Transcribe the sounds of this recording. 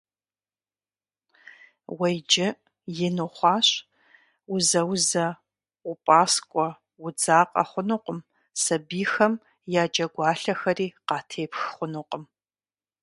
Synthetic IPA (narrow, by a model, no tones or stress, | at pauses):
wɐjd͡ʒɪ | jɪnuχʷɑːɕ | ʊzɐwzɐ | ʊpʼaːskʷʼɔ | wʊd͡zaːqʼɐ̰χʷʊnuqʷʼəm | sɐbiːxɐm | jaːd͡ʒʼɐɡʷɑːɬɐxɐriːqɑːtʰeːpxχʷʊnuqʼəm